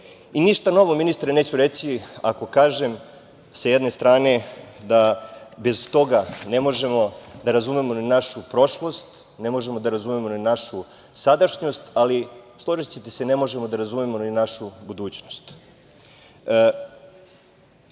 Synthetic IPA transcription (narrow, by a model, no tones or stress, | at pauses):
iniʃt̪ano̞ʋo̞minist̪ɾeneːt͡ɕuɾesia̰ko̞kaːʒe̞m | sajed̪ne̞st̪ɾaːne̞d̪abe̞zt̪o̞ɡane̞mo̞ʒe̞mo̞d̪aɾazumemo̞ninaʃupɾo̞ʃlˠo̞st̪ | ne̞mo̞ʒe̞mo̞d̪aɾazumemo̞ninaʃu | sad̪aʃɲo̞st̪alislˠoʒit͡ɕet̪esene̞mo̞ʒe̞mo̞d̪aɾazumemo̞ninaʃubud̪uːt͡ɕno̞st̪